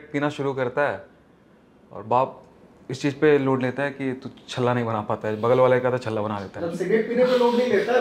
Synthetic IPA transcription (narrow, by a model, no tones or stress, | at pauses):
ʈ̚piːnaʃʊɾukɐɾt̪aɦɛː | ɔ̰ːɾbaːp̚ | ɪst͡ʃiːzpeloːɖleːt̪aɦɛkit̪ut͡ʃʰɐlːanɐɦĩbɐnapaːt̪aɦɛbɐɡəlʋaːlaikaːt̪at͡ʃʰɐlːabɐnaleːt̪aɦɐsɪɡeʈ̚piːnapeloːɽnɐɦĩleːt̪a